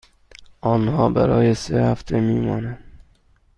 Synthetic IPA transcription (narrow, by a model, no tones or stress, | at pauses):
ʔɒːnhɒːbæ̰ɾɒːjesehæft̪ʰemiːmɒːnæn